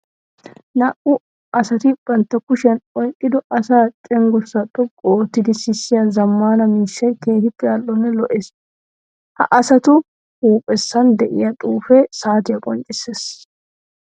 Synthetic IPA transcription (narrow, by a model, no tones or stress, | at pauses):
nɐʔʊ | ɐsɐt̪ɪb̥ɐnt̪ːɐkʊʃɐnɔjkʼːɪd̪ɔʔɐsaːt͡ʃʼɛŋɡɔsːɐt̪ʼːɔkʼoːt̪ːɪd̪ɪsɪsːɪjɐzɐmːaːnɐmiːʃːɐjkeːt̪ɪpʼːɪɐlːɔnːɛlɔʔes | hɐ̰ʔɐsɐt̪ʊ | huːpʼːɛsːɐnd̪ɛʔɪjɐt̪ʼuːfɛsaːt̪ɪjɐkʼɔnt͡ʃʼːɪseːs